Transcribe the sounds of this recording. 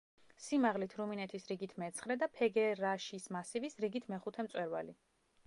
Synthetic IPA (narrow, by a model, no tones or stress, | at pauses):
simaʁlit̪ʰɾuminɛt̪ʰisɾiɡit̪ʰmɛt̪sʰχɾɛd̪apʰɛɡɛɾaʃismasivisɾiɡit̪ʰmɛχut̪ʰɛmt̪sʼwɛɾva̰li